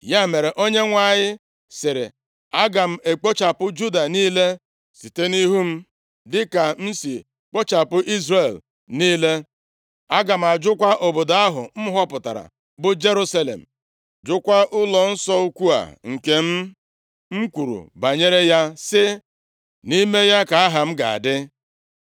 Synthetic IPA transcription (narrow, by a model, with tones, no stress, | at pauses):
ja˦˨me˨ɾe˨ʔo˦ɲe˦ŋʷa˦˨ɲɪ˦ | sɪ˨ɾɪ̰˨ | a˦ɡa˨m̩˦e˨k͡po˦t͡ʃa˨pʊ˦d͡ʒu˦da˨niː˦le˦ | si˨te˦ni˦ɦu˦m̩˦ | dɪ˦ka˨n̩˦si˨ | k͡po˦t͡ʃa˨pʊ˦ʔi˦zre˨l | niː˦le˦ | a˦ɡa˨m̩˨a˨d͡ʒʊ˦kʷa˦ʔɔ˨bʊ˨da˦ɦʊ̰˨m̩˦ɦɔ˦pʊ˨ta̰˨ɾa̰˨ | bʊ˦d͡ʒe˦ɾu˦sa˦lḛ˨m̩˨ | d͡ʒʊ˦kʷa˦ʔʊ˦lɔ˨n̩˦sɔ˦u˦kʷu˦a̰˨ŋ̩˨ke˦m̩˦ | m̩˦kʷu˨ɾṵ˨ba˨ɲe˦ɾe˦ja˦sɪ˦ | ni˦me˦ja˦ka˨a˦ɦa˨m̩˦ɡa̰˨a̰˨dɪ˦